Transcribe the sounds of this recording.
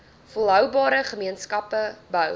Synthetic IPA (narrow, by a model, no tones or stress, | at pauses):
fulˠɦœwbɑːɾəχəmiənskɐpəbəw